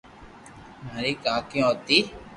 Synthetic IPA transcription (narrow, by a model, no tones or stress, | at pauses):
maːɾiːkaːkj̃oːt̪iː